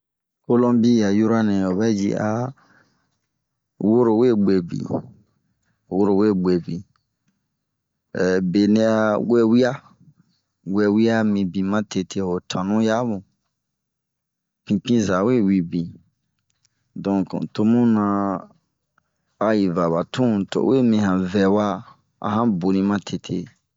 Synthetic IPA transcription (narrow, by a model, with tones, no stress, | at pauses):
ko˦lɔ̃˦mbi˦ja˨ju˦ɾa˦nɛ̃˨o˨bɛ˦d͡ʒḭ˦a˦ | wo˦ɾo˨we˦˨ɡ͡be˨bḭ˨ | wo˦ɾo˨we˦˨ɡ͡be˨bi˨ | ɛ˨be˨nɛ̃˧a˧we˦wi˦a˦ | we˧wi˦a˦mĩ˧bĩ˨mã˦tʰe˧tʰe˦ho˨tʰã˨nũ˦ja˦mũ˨ | pĩ˧pĩ˦za˨we˦wi˨bĩ˨ | dɔ̃˨kto˧mũ˦nã˧ | a˧ji˨va˨ba˨tũ˦to̰˨we˦˨mĩ˧hã˨vɛ˨wa˦ | ã̰˨˦ɦã˦bo˨nĩ˧mã˦tʰe˨tʰḛ˧˨